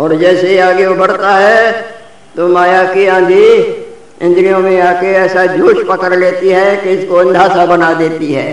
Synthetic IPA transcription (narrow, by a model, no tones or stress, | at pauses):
ɔːɾd͡ʒɛːseiaːɡeobɐɽt̪aɦɛ | t̪omaːjaːkiãːd̪ʱi | ɪ̃nd̪ɾijõmẽaːkeɛːsad͡ʒ̪joːʃpɐkəɾleːt̪iɦɛkeɪskoɐ̃nd̪ʱaːsabɐnad̪eːt̪iɦɛ̰ː